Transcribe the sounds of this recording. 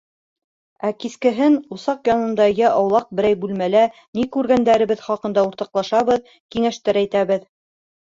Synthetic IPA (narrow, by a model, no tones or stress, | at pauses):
ækiskɘ̆ɦɘnusɑqjɑnɤ̆nd̪ɑjæʔɑwlˠɑq̚bɘ̆ɾæjbʉlmælænikʉɾɡænd̪æɾɘ̆βɘðχɑqɤ̆nd̪ɑuɾt̪ɑqlˠɑʃɑβɤð | kiŋæʃt̪ɘɾæjt̪æβɘð